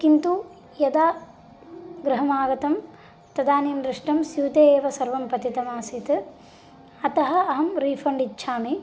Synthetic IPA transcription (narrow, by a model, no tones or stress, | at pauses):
kint̪u | jɐd̪aː | ɡɾɐɦɐmaːɡɐt̪ɐm | t̪ɐd̪aːniːnd̪ɾiʂʈɐmsjuːt̪eːʋɐsɐɾʋɐmpɐt̪it̪ɐmaːsit̪ɨ | ɐt̪ɐɦɐ̆ɐɦɐmɾiːfɐɳɖitːʃʰaːmi